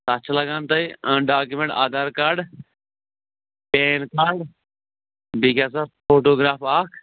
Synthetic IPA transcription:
t̪ːtːt͡ʃʰlɐɡaːnt̪ɐiə̃ɖaːkumẽɳʈaːd̪aːɾkaːɾɖ | peːnkaːɾɖ | biːkaːs̬apʰoːʈoːɡɾaːpaːkʰ

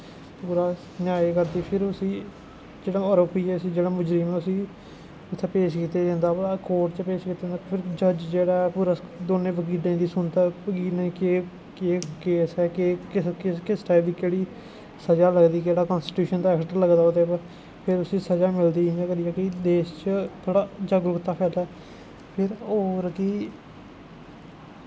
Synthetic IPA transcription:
puːɾaː | njaːeːkəɾd̪iːpʰɪɾʊsĩː | d͡ʒeːɽaːoːɾoːpiːɛːəsĩːd͡ʒeːɽaːmʊd͡ʒɾimẽːʊsĩː | ʊt̪ʰːeːpeːʃkiːt̪eːd͡ʒẽːnd̪aːpəakoːɾʈt͡ʃəpeːʃkiːt̪aːdẽːnd̪apʰɪɾd͡ʒəd͡ʒd͡ʒeːɽaːpuːɾaːd̪oːnẽːʋək̬iːɖẽːd̪iːsʊnt̪aːʋəkiːlnẽkeː | keːkeːsɛːkeːkɪkɪkɪsʈaːɪld̪iːkeːɽiː | səd͡ʒaːləɡd̪iːkeːɽaːkəːnsʈʈjuːʃənd̪aːɛːkʈəɾləɡd̪aːoːt̪eːpː | pʰɪɾʊsĩːsəd͡ʒaːmɪld̪ĩːnd̪aːkəɾiːjaːkɪd̪eːʃt͡ʃət̪ʰoːɽaːd͡ʒəɡɾʊkt̪aːpʰɛːlɛː | pʰɪɾoːɾkiː

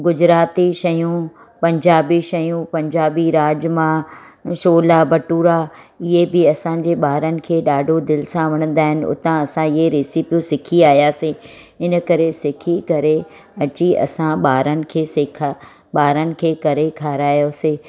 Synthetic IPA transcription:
ɡʊd͡ʑɾaːt̪iʃɐjũ | pɐ̃ɲd͡ʑaːbiʃɐjũpɐ̃ɲd͡ʑaːbiɾaːd͡ʑmã | ʃoːlabɐʈuːɾa | ɪɦebɪɐsãd͡ʑeːɓaːɾənɪ̆kʰeːɗaːɖʱod̪ɪlɪsãʋɐɽ̃ə̃n̆d̪aːɦɪnɪ̆ʊ̰t̪ãɐsãɪɦeɾeːsipijusɪkʰiaːijaːse | ɪnə̆kɐɾesɪkʰikɐɾe | ɐt͡ɕiɐ̰sãɓaːɾənɪ̆kʰeːsekʰa | ɓaːɾənɪ̆kʰeːkɐɾekʰaːɾaːjoseː

